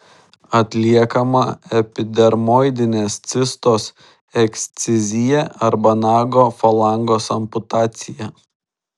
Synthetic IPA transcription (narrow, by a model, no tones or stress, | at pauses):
ɐt̪ʲlʲiɛkɐmɐɛpʲɪd̪ʲɛɾmɔɪd̪ʲɪnʲeːst̪sʲɪst̪oːs | ɛksʲt̪sʲɪzʲɪjɛɐɾbɐnɑːɡoːfɐlˠɑˑŋɡoːsɐmpʊt̪ɑːt̪sʲɪjɛ